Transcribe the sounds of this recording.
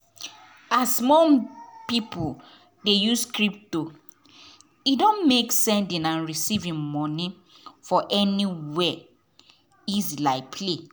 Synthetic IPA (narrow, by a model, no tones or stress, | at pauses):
asmɔpipʰu | dejuskɹip̚to | idõnmeksɛ̃ndĩnãnɹisivĩŋmɔ̃ni | fɔʔɛniwɛ | izilaɪpʰle